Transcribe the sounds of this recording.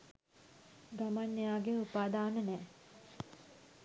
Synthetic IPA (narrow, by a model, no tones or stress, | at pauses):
ɡamanːejaːɡeupaːd̪aːnənɛː